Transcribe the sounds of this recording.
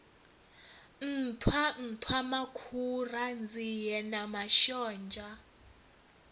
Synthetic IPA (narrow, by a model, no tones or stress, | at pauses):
n̩tʰwan̩tʰwamakʰurand͡zʱijɛnamaʃɔːnd͡ʒʱa